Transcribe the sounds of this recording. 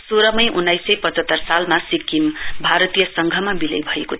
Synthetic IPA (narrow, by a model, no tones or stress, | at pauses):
soɾʌmʌjʔunːajsʌjpʌt͡sʌt̪ːʌrsalmasikːimbʱaɾʌt̪ijʌsʌŋɡʱʌmabilʌ̰jbʱʌeko